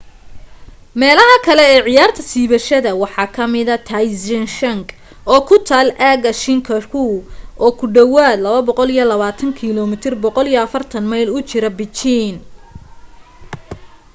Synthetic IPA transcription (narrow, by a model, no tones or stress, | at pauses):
mɛːlɐɦɐkʰɐlɛɛːʕɪjaːrt̪ʰɐsiːβɐʃɐðɐwɑħɑːkʰɐmɪðɐt̪ʰajsɛnʃɐŋɡ | ɔːkʰʊt̪ʰaːlʔaːɣɐʃɪŋkʰɐkʰuʔɔːkʰʊɖɐwaːd̪lɐβɐbɔqɔlijɔlɐβaːt̪ʰɐŋkʰilɔmɪt̪ʰɪrbɔqɔlijɔɐfɐrt̪ʰɐnmɐjlʊt͡ʃɪɾɐbɪt͡ʃin